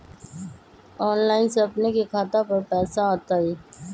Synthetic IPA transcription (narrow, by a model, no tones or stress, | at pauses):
ɔːnlaːɪnseɐpnekekʰaːt̪apɐɾpɛːsaaːt̪aɦɛː